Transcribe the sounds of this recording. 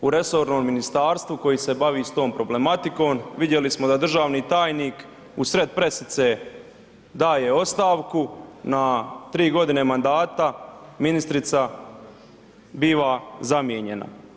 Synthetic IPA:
uɾe̞so̞ːɾno̞ːmːinist̪aːɾst̪ʋuko̞jise̞baʋiːst̪o̞ːmpɾo̞ble̞mat̪iko̞ːmʋid̪je̞lismo̞d̪ad̪r̩ʒaːʋniːt̪aːjniːk | usɾe̞d̪̚pɾe̞sit̪se | d̪aːje̞o̞st̪aːʋkunat̪ɾiːɡo̞d̪ine̞mand̪aːt̪aminist̪ɾit̪sa | biːʋazamjeɲe̞na̰

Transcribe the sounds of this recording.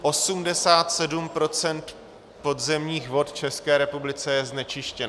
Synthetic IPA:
ʔo̞sumdɛsaːt̪sɛdumpɾo̞t͡sɛnt̪ | po̞dzɛmɲiːxvo̞t̪t͡ʃɛskɛːɾɛpublɪt͡sɛjɛznɛt͡ʃɪʃcɛn

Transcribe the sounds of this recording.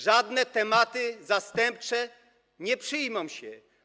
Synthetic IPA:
ʐad̪nɛt̪ɛmat̪ɪzast̪ɛmp̚t͡ʂɛ | ɲɛpʂɘjmɔ̃mɕɛ

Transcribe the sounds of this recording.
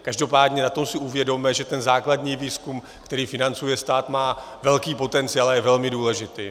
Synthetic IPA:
kaʒdo̞paːdɲɛnat̪o̞msɪʔuvjɛdo̞mɛʒɛt̪ɛnzaːkladɲiːviːskum | kt̪ɛɾiːfɪnant͡sujɛst̪aːt̪maː | vɛlkiːpo̞t̪ɛnt͡sɪalajɛvɛlmɪduːlɛʒɪt̪iː

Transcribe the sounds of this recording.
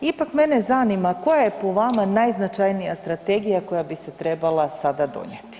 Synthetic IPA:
ipakme̞ne̞zanimako̞jaje̞po̞ʋamanajznat͡ʃajnijast̪ɾat̪e̞ɡijako̞jabise̞t̪ɾe̞balˠasad̪ad̪o̞̰ɲet̪i̥

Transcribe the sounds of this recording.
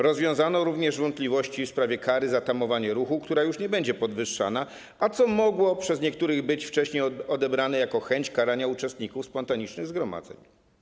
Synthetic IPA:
ɾɔzvʲjɔ̃w̃zanɔɾuvɲɛʐvɔnt̪plʲivɔɕt͡ɕifspɾavʲjɛkaɾɘzat̪amɔvaɲɛɾuxukt̪uɾajuʂɲɛbɛɲd͡ʑɛpɔd̪vɘʂːa̰na | ʔat̪sɔmɔɡwɔpʂɛzɲɛk̚t̪uɾɘɣbɘt͡ɕft͡ʂɛɕɲejɔd̪ɛbɾanɛjakɔxɛɲt͡ɕkaɾaɲaut͡ʂɛst̪ɲikufspɔnt̪aɲit͡ʂnɘɣzɡɾɔma̰d̪zɛ̰ɲ

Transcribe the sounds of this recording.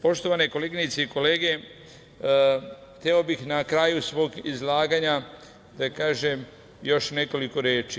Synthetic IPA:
po̞ʃt̪o̞ʋane̞ko̞leːɡinit̪seiko̞leːɡe̞ | xt̪eo̞bixnakɾaːjusʋo̞ːɡizlˠaːɡaɲa | d̪̥akaːʒem | jo̞ʃne̞ko̞liko̞ɾeːt͡ʃi

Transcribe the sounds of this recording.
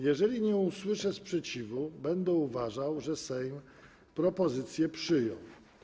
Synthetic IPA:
jɛʐɛlʲiɲɛuswɘʂɛspʂɛt͡ɕivubɛnd̪ɛuvaʐawʐɛsɛjm | pɾɔpɔzɘt̪sʲjɛpʂɘjɔ̰̃w

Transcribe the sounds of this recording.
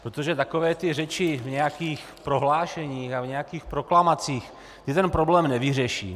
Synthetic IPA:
pɾot̪oʒɛt̪akovɛːt̪ɪrɛt͡ʃɪvɲɛjakiːx | pɾo̞ɦlaːʃɛɲiːxavɲɛjakiːxpɾo̞klamat͡siːx | t̪ɪt̪ɛnpɾoblɛːmnɛvɪrɛʃḭː

